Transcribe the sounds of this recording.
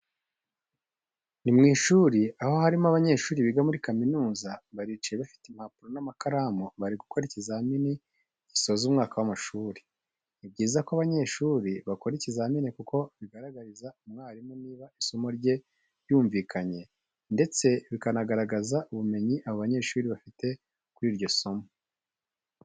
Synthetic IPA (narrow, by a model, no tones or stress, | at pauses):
nimŋiːʃuːɾiaho̞haɾimoaβaɲe̞ːʃuːɾiβiɡamuɾikaminuːzaβaɾit͡ʃijeβafi̥tim̥hapuɾonamakaɾamoβaɾiɡukʰoɾicizamini | ɟiso̞zumŋaːkawamaʃuːɾiː | b̚ɟiːzakoaβaɲe̞ːʃuːɾiβako̞ɾicizaminikuko̞βiɡaɾaɡaɾizaumŋaːɾimoniːβaiso̞mo̞ɾɟe̞ | ɾjuːɱviːkʰaɲe̞ | nde̞t͡se̞βikanaɡaɾaɡazaʔuβume̞ɲiʔaβoβaɲe̞ːʃuːɾiβafite̞ | kuɾiːɾɟo̞so̞mo